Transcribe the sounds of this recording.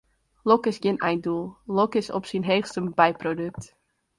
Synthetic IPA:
lɔkɪsɡɪnɛjndulˠlɔkɪsɔ̰psinɦeːxstəbɛjprodøk̚t

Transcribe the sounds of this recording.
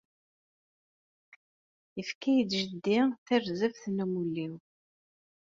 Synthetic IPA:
əfkæjd̪ʒəd̪ːiθærzəfθnumulːiw

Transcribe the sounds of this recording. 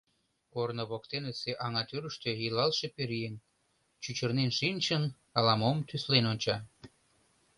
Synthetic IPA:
kornoβok̚t̪eneseʔɑŋɑt̪yɾəʃt̪øjilɑlʃepeɾien | t͡ɕyt͡ɕərnenʃinʲt͡ɕən | ɑlɑmomt̪yslenonʲt͡ɕɑ

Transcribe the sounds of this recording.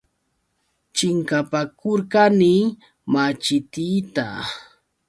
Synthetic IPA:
t͡ʃɪŋkapakʊɾkani | mat͡ʃɪt̪iːt̪a̰

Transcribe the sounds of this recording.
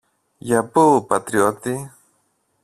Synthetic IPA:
japuːpat̪ɾiot̪ɪ

